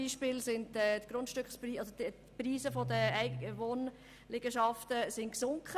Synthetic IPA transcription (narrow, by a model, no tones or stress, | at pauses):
iːʃpɪːlsɪntɛtɡ̥ɾʊntʃtʏkχspriːɑsod | priːzəfɔdəɛɪəʋoːn | lɪɡ̥əʃɑftəsɪnksʊŋkχə